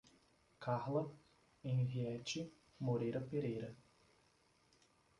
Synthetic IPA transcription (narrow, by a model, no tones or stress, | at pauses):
kʰaɾlɐ | ẽj̃viɛt͡ʃɪ | moɾejɾɐpeɾejɾɐ